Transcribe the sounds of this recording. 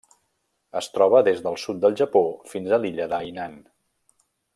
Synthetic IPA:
əst̪ɾɔβ̞əðezðəlˠsut̪̚d̪əlˠʒəpofinzəliʎəðajnan

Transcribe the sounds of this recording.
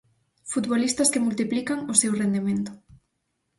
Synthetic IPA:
fut̪βolist̪ɐskɪmult̪iplikaŋʊsewrend̪imẽnt̪ʊ̥

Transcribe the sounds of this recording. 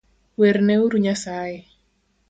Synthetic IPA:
weɾneuɾuɲasajɛ

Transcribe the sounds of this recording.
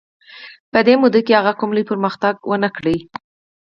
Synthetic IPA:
pəd̪emud̪əkehaɣakʊmləjpəɾməxt̪aɡwənəkɽəj

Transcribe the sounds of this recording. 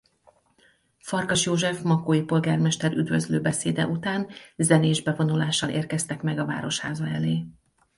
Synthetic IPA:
fɒrɡɒʃjoːʒɛfmɒkoːjipo̞lɡaːrmɛʃt̪ɛɾyd̪vø̞zløːbɛseːd̪ɛ̰ʔut̪aːnzɛneːʒbɛvo̞nulaːʃɒlʔḛːrkɛst̪ɛkmɛɡɒva̰ːɾo̞ʃhaːzɒɛleː

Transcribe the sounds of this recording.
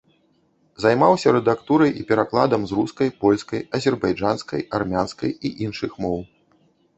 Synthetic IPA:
zajmawsʲɐɾɛd̪akt̪uɾɐjʔipʲɛɾaklˠad̪ɐmzruskɐjpɔlʲskɐjɐzʲɛrbajd͡ʐanskɐ̰jarmʲanskɐ̰jiʔinʂɨxmɔw

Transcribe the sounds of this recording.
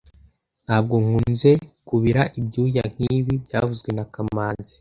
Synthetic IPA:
n̥haːb̚ɡo̞ŋ̥unze̞kuβiɾaʔibɟuːjaŋ̥iːβibɟaːvuzɡwe̞nakamaːnzi

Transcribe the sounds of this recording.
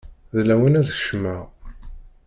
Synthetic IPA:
ðlæwinæðʃmæ

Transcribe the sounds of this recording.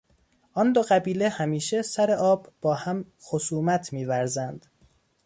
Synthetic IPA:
ʔɒnd̪oɣæbiːlehæmiːʃe̞sæɾe̞ʔɒːbb̥ɒːhæm | xosuːmæt̪ʰmiːvæɾzænd̪̥

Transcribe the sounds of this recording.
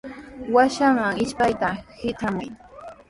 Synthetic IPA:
waʃamaŋɪʃpajt̪ahɪt̪ʰamʊ̰j

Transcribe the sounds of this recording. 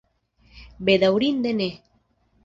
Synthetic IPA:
bed̪awɾind̪ene

